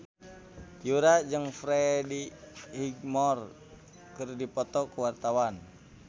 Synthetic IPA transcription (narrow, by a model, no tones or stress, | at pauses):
juɾad͡ʒəŋfɾɛdihiɡ̚mɔr | kɨrdipɔt̪ɔkuwart̪awan